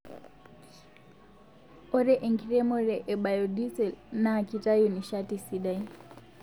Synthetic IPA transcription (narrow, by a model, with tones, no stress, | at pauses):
ɔ˦ɾɛʔe˨ŋkiɾɛ˦mɔ˦ɾɛʔɛ˨ɓa˨jɔdi˦sɛ˨lnaː˨kita˦jɔniʃati˨siɗaj